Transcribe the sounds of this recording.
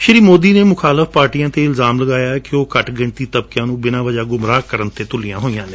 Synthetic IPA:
ʃəɾiːmoːd̪iːneːmʊkʰaːləfpaːɾʈijãːt̪eːɪlzaːmləɡaːjaːkɪoːkəʈɡɪɳt̪iːt̪əb̚kjãːnũːbɪnãːʋəd͡ʒaːɡʊmɾaːkəɾənt̪eːt̪ʊlɪjãːɦoːijãːnẽː

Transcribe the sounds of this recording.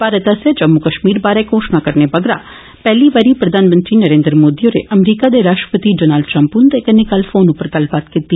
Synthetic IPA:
baːɾət̪asəd͡ʒəmːukəʃmiːɾbaːɾekoːʃnakəɾnebəɡɾa | pɛɦliʋaɾipɾɐd̪ʱaːnmə̃nt̪ɾinəɾẽːnd̪ɾəmoːd̪ijoɾḛʔəmɾiːkad̪eɾaːʃʈɾə̥pət̪iɖonaːlɖʈɾə̃mpund̪ekənɪkalfoːnupəɾkəlpat̪kit̪ːi

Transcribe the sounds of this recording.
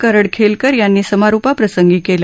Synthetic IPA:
kəɾəɽkʰelkəɾjanːiːsəmaɾupapɾəsəŋɡiːkelə

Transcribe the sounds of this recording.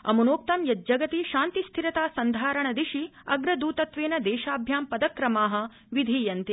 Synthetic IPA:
ɐ̰munoːk̚t̪ɐmjɐd͡ʒɐɡɐt̪iʃaːnt̪ist̪ʰiɾɐt̪aːsɐnd̪ʱaːɾɐɳɐd̪iʃiɐɡɾɐd̪uːt̪ɐt̪ʋeːnɐd̪eːʃaːbʱjaːmpɐd̪ɐkɾɐmaːɦɐ̆ | ʋid̪ʱiːjɐnt̪e

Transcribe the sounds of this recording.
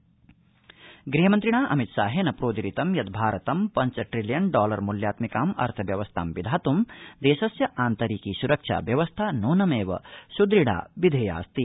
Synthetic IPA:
ɡɾiːɦɐmɐnt̪ɾiɳaːʔɐ̰mit̪ʃaːɦeːnɐpɾoːd̪iɾit̪ɐmjɐd̪bʱaːɾɐt̪ɐmpɐɲt͡ʃɐʈɾiljɐnɖɔːlɐɾmuljaːt̪mikaːmɐ̰ɾt̪ʰɐʋjɐʋɐst̪ʰa̰ːmʋid̪ʱaːt̪umd̪eːʃɐsjɐʔaːnt̪ɐɾiːkisuɾɐkʂa̰ːʋjɐʋɐst̪ʰaːnoːnɐmeːʋɐ̰sud̪ɾiɽa̰ːbid̪ʱeːja̰ːst̪i

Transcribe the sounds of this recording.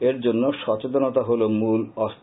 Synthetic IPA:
eɾd͡ʑonːoʃɔt͡ɕet̪onot̪aɦolomulɔst̪

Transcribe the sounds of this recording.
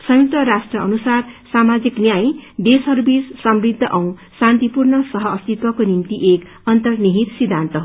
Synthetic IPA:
sʌjut̪ʌɾasʈrʌʌnusarsamad͡ziknjaj̃d̪esɦʌɾubissʌmrid̪ʱːʌʔʌw̃sant̪ipurnʌsʌɦʌːst̪it̪wʌkonimt̪iʔek | ʌnt̪ʌrniɦit̪sid̪ʱːant̪ʌɦo

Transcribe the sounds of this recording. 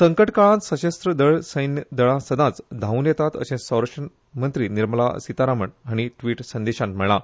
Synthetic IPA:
səŋkəʈkaɭãt̪səɕəst̪ɾəd̪əɭsəjnəd̪əɭasəd̪ãt͡sd̪ʱãunjɛt̪at̪ə̰ɕẽsə̃wɾakʂʈən | mənt̪ɾiːniɾməla̰sit̪aɾaməɳɦaɽ̃iʈʋiːʈsənd̪eɕãnt̪mɛɭa

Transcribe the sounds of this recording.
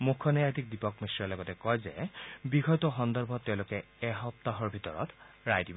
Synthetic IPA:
mukʰːɔnɛjatik̚dipɔkmesɔlɔɡɔtɛkɔjzɛ̰bixɔjtɔxɔndɔɹbʱɔtːɛʊ̃lokɛ | ɛɦɔp̚taɦɔɹbʱitɔɹɔ̰t | ɹajdibɔ

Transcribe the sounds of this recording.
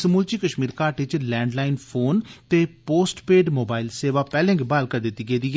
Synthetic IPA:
səmuːlt͡ʃiːkəʃmiːɾkaːʈɪt͡ʃlɛ̃ːɳɖlaːɪnpʰoːnt̪eːpoːsʈpeːɖmoːbaːɪlseːʋaːpɛːlɛ̃ːŋɡbaːlkəɾd̪ɪt̪ːiːɡeːd̪iː

